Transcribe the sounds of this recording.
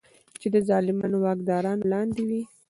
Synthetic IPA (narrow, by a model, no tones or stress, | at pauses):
t͡ʃed̪əzɑlɪmɑnowɑkd̪ɑɾɑnolɑnd̪ɪwi